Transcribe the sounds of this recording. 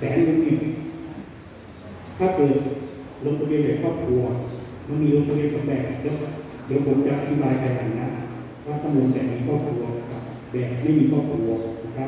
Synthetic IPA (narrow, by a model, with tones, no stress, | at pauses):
sɛː˨˦nmo˧nːiː˧˩ | t̪ʰaː˥˩kɤː˨˩t̪̚ | lo˦˧˥t̚pa˧we˧nbɛː˨˩kʰɔː˥˩p̚kʰɾu˧ɐ | ma˧˥˩nmiː˧lo˧˥t̪̚p̪ʰa˧we˧˩t̪̚sa˨˧˦mbɛː˨˩ŋ˨˩t͡ɕɤ˦˥˩ | dɯ˨˦wkʰo˨˦nt͡ɕa˨˩ʔa˧t̪ʰi˦˥baː˧jka˧˩ja˨˩ŋna˦˧˥n | ɾa˦˥˩t̪ʰːa˧˨moː˧nbɛː˨˩miː˧kʰɔː˥˩p̚kʰɾu˧ɐna˧˩kʰa˦˥p̚ | bɛː˨˩˨ma˥˩jmiː˧kʰɔː˥˩p̚kʰɾu˧ɐna˦˧˥kʰa˦˥